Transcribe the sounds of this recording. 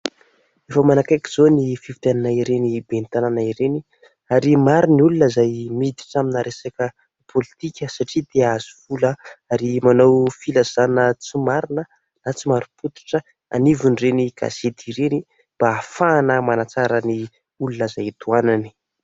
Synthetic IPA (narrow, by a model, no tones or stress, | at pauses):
efəmanakajki̥z̥onifivit̪ananaiɾenibent̪ananaiɾeni | aɾimaɾuniulunəzajmid̪i̥ʈ͡ʂaminaɾesakə | pʰolit̪ikʲəsaʈ͡ʂid̪eaz̥u̥v̥uləaɾimanawfilaz̥anət͡simaɾinə | nat͡simaɾuput̪i̥ʈ͡ʂə | a̰nivunreniɡ̥a̰z̥ed̪iɾeni | mb̥aːfaːnəmanat͡saɾəni | ulunəzajt̪uanani̥